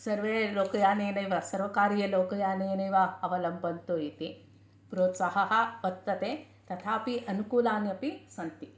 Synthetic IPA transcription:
sɐɾʋeːloːkɐjaːneːnɐjʋɐsɐɾʋɐkaːɾijɐloːkɐjaːneːnɐjʋɐɐʋɐlɐmbʱɐnt̪uit̪i | pɾoːt̪sɐɦɐɦɐ̆ʋɐt̪ːɐt̪eː | t̪ɐt̪ʰaːpiʔɐnukuːlaːnjɐpisɐnt̪i

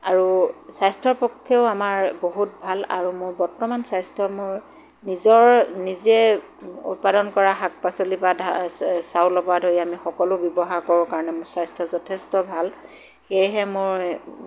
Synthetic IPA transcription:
aɹusajstʰɔɹpɔkʰːɛʊamaɹboɦut̚bʱala̰ɹumʊɹbɔɹtɔmansajstʰɔmʊɹ | nizɔɹnizɛ | ṵt̚padɔnkɔɹaxak̚pasolipadʱasaʊlɔbadʱoɹjamixɔkɔlʊbjɔbɔɦaɹkɔɹʊkaɹɔnɛmʊɹsajstʰɔzɔtʰestɔbʱal | xejɦɛmʊɹ

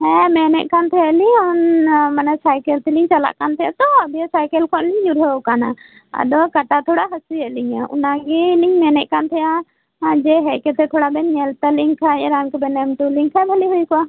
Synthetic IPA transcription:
hɛmɛnɛʔ̚kant̪ʰɛɛliɔnmanasajkɛlt̪ɛliŋt͡ʃala̰ʔkant̪ʰɛja̰t̪ɔəbijasajkɛlkʰɔnliŋd͡ʒuɾɦəkana | a̰d̪ɔkaʈat̪ʰɔɽaɦəsiɛliɲaʔṵnaɡɛliŋmɛnɛʔ̚kant̪ʰɛja | d͡ʒɛɦɛʔkɛt̪ɛt̪ʰɔɽabɛɲɛlt̪aliŋkʰaɛɾamkɛbɛnɛmʈuliŋkʰabʱəliɦujkɔa

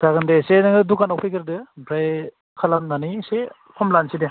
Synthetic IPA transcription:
d̥aɡɯndesenɯŋɯdukanawpʰijkɯɾdɯbɾaj | kʰalamnanise | kʰɔmlanside

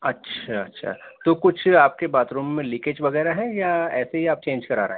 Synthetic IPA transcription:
ɐtːʃʰaɐtːʃʰa̰ːt̪oːkʊt͡ʃʰaːp̚kebaːt̪ɾũːmːẽlɪked͡ʒʋɐɣɛːɾaɦɛ̃jaɛːseɦiaːp̚t͡ʃẽːnd͡ʒkɐɾaːɾɐɦe

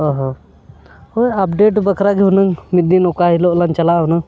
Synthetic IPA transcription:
ɔɦɔ | ojapɖeʈ̬bəkʰɾaɡiɦunəŋmit̪̚d̪inɔkaɦilɔʔlant͡ʃɐlaʔuna

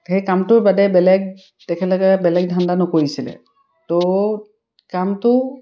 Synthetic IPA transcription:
xejkamtʊɹbadɛbɛlɛɡ̚ | tɛkʰɛlɔɡɛbɛlɛɡ̚dʱandanɔkoɹisilɛ̰ | to | kamtʊ

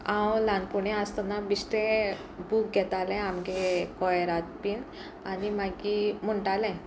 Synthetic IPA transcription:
ãwlanpuɳɛ̃ast̪anabisʈẽ | buk̚ɡʱɛt̪alɛ̃amɡekɔjɾat̪̚piːn | animaɡim̤əɳʈalɛ̃

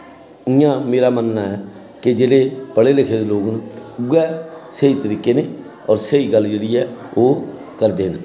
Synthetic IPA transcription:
ɪːãːmeːɾaːmənːaːɛː | kɪd͡ʒeːɽeːpəɽeːlɪkʰeːd̪eːloːɡnuːɛːsəiːt̪əɾiːkːeːneː | ɔːɾsəiːɡəlːd͡ʒeːɽiːɛːoː | kəɾd̪eːne

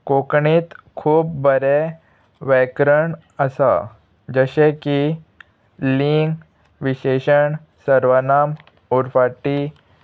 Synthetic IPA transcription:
kokɳiːt̪kʰuːpbəɾe | ʋɛkɾəɳ | əsa̰ | d͡ʑəɕeki | liŋɡ | ʋiɕeɕəɳ | səɾʋənam | uɾfaʈi

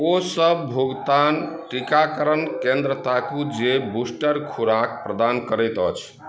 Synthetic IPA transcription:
osəbbʱuɡt̪anʈikakəɾənkẽnd̪ɾət̪akud͡ʒebusʈəɾkʰuɾakpɾəd̪ankəɾɛjt̪ət͡ʃʰ

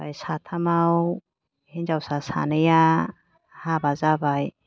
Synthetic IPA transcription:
bajsat̪ʰamaw | hind͡ʒawsasa̰nɯja | habazabaj

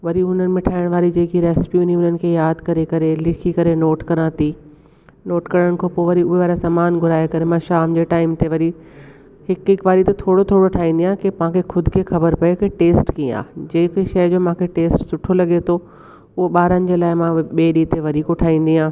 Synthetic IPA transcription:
ʋɐɾiʊn̤ənɪ̆mẽʈʰaːɪɽ̃ʋaːɾid͡ʑeːkiɾeːsɪ̥pjuʊniʊn̤ənɪ̆kʰeːjaːd̪kɐɾekɐɾelɪkʰikɐɾenoːʈkɐɾãːt̪i | noːʈkɐɾəɽ̃kʰoːpoːʋɐɾiʊɦeʋaːɾasamaːnɡʱʊɾaːjekɐɾemãʃaːmd͡ʑeːʈaːɪmt̪eʋɐɾi | hɪkɪkʋaːɾit̪et̪ʰoːɽot̪ʰoːɽoʈʰaːĩːn̆d̪iãɦkemɐãkʰexʊd̪ʱkʰeːxɐbəɾpɐjokeʈeːsʈkiːa̰ːd͡ʑeːkeʃɐɪd͡ʑoːmãːkʰeʈeːsʈsʊʈʰolɐɠet̪ʰo | ʊɦoɓaːɾənɪ̆d͡ʑeːlaːɪmãɓeːɗit̪eʋɐɾiːkoʈʰaːĩːn̆d̪iːãː

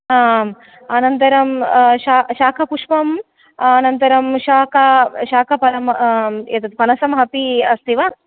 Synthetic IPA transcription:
ɦaːm | ɐnɐnt̪ɐɾɐmʃaːʃaːkʰɐpuʂpɐmː | nɐnt̪ɐɾɐmʃaːkʰɐʃaːkʰɐpɐɾɐmḛt̪ɐt̪̚pɐnɐsɐmɦɐpiɐst̪iʋaː

